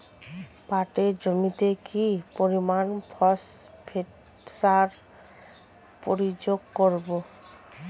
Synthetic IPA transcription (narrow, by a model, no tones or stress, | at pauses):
baʈeɾd͡ʑomit̪ekipoɾimanbʰʱɔsbʰeʈ | saɾ | poɾid͡ʑoɡkoɾbo